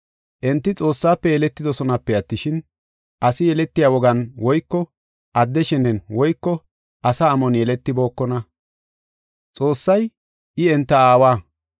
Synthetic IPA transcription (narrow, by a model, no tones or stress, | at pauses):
ʔɛnt̪ːɪt͡sʼo̞ːsːaːpːɛjɛlɛt̪ːɪd̪ɔsɔnɐpːɛɐt̪ːɪʃɪn | ʔɐsɪjɛlɛt̪ːɪjaːwɔɡɐnwɔjkːɔ | ʔɐd̪ːɛʃɛnːɛnwɔjkːɔ | ʔɐsɐːmɔnjɛlɛt̪ːɪbo̞ːkːɔnɐ | t͡sʼo̞ːsːɐj | ʔɪɛnt̪ːɐaːwaː